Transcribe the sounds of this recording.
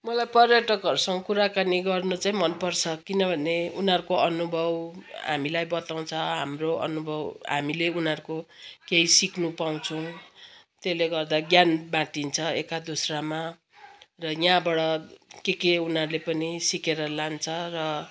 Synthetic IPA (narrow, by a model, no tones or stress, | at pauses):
mʌlajpʌrjʌʈʌkɦʌɾusʌŋkuɾakaniɡʌrnut͡saĩmʌnpʌrt͡sʰʌkinʌbʱʌneunɦʌɾukoʌnubʱʌwɦa̰milajbʌt̪aw̃t͡sʰʌɦa̰mroʌ̰nubʱʌwɦa̰mileunʌɾkokeisikʰnupaw̃t͡sʰuw̃ | t̪eleɡʌrd̪aɡjanbãʈint͡sʰʌekad̪osrama | rʌjãbʌɽʌkekeunɦʌrlepʌnisikeɾʌlant͡sʰʌrʌ